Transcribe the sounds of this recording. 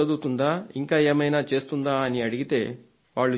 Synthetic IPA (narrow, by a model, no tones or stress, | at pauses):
ɐd̪ut̪und̪aiŋkaeːmɐjnaːt͡ʃe̞ːst̪und̪aːniɐɽiɡit̪e | ʋaːɭːu